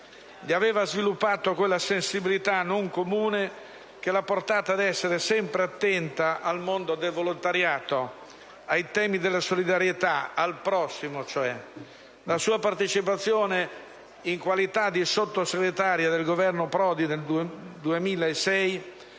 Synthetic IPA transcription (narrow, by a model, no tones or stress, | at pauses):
ʎiaveːvazvilupːaːt̪okwelːasensibilit̪anoŋkomuːne | k̟elaport̪aːt̪ad̪ɛsːeɾesɛmpɾeat̪ːɛnt̪aʔalmond̪od̪elvolont̪aɾjaːt̪o | ajt̪ɛːmid̪elːasolid̪aɾjet̪aalpɾɔsːimot͡ʃoɛ | lasuːapart̪et͡ʃipat̪sːjoːne | iŋkwalit̪ad̪isot̪ːoseɡɾet̪aɾjad̪elɡovɛrnopɾɔːd̪ineld̪d̪uemiːlaesɛj